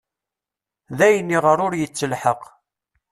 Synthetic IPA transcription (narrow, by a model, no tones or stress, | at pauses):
ðæjənːiʁəɾʊɾjət͡sːəlħəq